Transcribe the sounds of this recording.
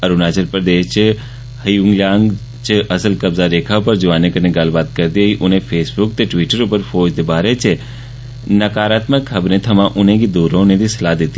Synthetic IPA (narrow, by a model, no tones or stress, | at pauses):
ɐɾunaːt͡ʃəɾpɾəd̪eːʃt͡ʃ | hɐjuŋɡljãːŋɡ | t͡ʃɐsəlkɐbzaɾeːkʰapəɾd͡ʒɐʋaːnẽkɐnẽɡaːlbaːd̪̚kɐɾd̪iaɦiʔʊnɦẽfʰeːsbʊkt̪eʈʋiːʈəɾuːpəɾfoːd͡ʒd̪ebaːɾet͡ʃe | nɐkaːɾaːt̪məkɦɐbɾẽt̪ʰɐmãʔʊnẽkid̪uːɾõnẽd̪isɐlaːd̪eːt̪i